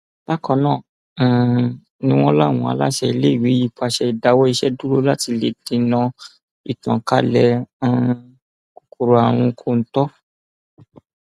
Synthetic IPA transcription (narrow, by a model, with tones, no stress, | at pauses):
ba˦kɔ̃˧nãː˦˨ | nĩ˦w̃ɔ̃˦la˦˨w̃ɔ̃˧˨a̰˧la̰˦ʃɛ˧i˧le˦i˦˨wi˨˦ji˦˨k͡pa˧˨ʃɛ˧i˨da˨˧wɔ˦i˧ʃɛ˦du˦ɾo˦la˦ti˧le˨di˨˧˦nã˧ | ḭ˨tã̰˨ka˦lɛ˧ã˧ | ko̥˨ko˨ɾo˨˧a˨w̃ũ˧kʰo˦˨n̩˨˦tɔ˦